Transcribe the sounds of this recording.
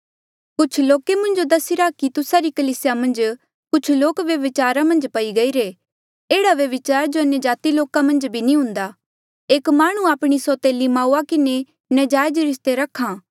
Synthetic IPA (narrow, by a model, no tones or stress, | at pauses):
kʊt͡ʃʰloːkemʊ̃nd͡ʒod̪ɐsiɾakit̪ʊsaɾikɐliːsjamɐ̃nd͡ʒ | kʊt͡ʃʰloːkʋjɐʋɪt͡ʃaːɾamɐ̃nd͡ʒpɐiɡɐiɾe | eːɽaʋjɐʋɪt͡ʃaːɾd͡ʒoɐnjəd͡ʒaːt̪iloːkamɐ̃nd͡ʒbʱinĩɦʊ̃nd̪a | eːkmaːɽ̃ũaːpɽ̃isɔt̪eːlimaːuakɪne | nɐd͡ʒaːjd͡ʒɾɪst̪eɾɐkʰːãː